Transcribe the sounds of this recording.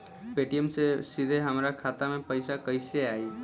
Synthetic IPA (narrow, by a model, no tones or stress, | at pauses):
peʈijəmsesid̪ʱeɦəmɾakʰat̪amepəɪsakəɪseai